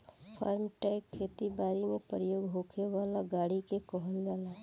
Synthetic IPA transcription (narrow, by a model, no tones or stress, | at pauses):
pʰa̰ːɾmʈɛɪkʰːeːt̪ibaːɾimẽpɾəjoːɡɦoːkʰeʋaːlaɡaːɽikekɔɦəld͡ʒaːlaː